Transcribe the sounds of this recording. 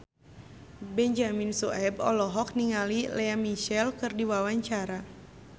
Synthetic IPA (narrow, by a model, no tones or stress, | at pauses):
bɛɲd͡ʒaminsɔɛbɔ̰lɔɦɔk̚niŋalilɛamiʃɛlkɨrdiwawaɲt͡ʃaɾa